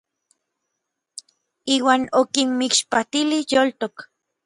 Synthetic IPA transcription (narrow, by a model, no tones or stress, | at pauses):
iːwaːnokinmikʃpat̪ilihjoːlt̪ok